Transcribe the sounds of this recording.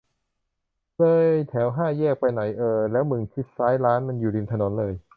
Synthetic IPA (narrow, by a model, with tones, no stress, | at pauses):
lɤː˧jt̪ʰɛː˩˦wɦaː˥˩jɛː˥˩k̚pa˧jna˩˦jʔɤː˧lɛː˦˥wmɯ˧˩ŋkʰi˦˥t̪̚saː˦˥jɾaː˦˥nma˧njuː˨˩li˧nt̪ʰno˩˦nlɤː˧j